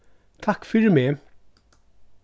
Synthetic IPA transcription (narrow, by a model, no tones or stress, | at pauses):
t̪ʰɑkfʏɹmeː